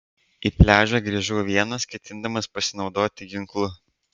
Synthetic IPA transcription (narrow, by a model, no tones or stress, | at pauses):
iːpʲlʲæːʒʲæɡɾʲiːʒuːʋʲiɛnɐskʲɛt̪ʲɪnd̪ɐmɐspɐsʲɪnɒʊd̪oːt̪ʲɪɡʲɪŋklˠʊ